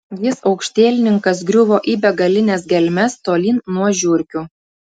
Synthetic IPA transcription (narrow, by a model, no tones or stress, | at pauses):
jɪsɒʊkʃʲt̪ʲeːlʲɪnʲɪŋkɐs̬ɡɾʲʊʋoːʔiːbʲɛɡɐlʲɪnʲɛsɡʲɛlʲmʲɛst̪oːlʲiːnnːuɔʒʲʊɾʲkʲu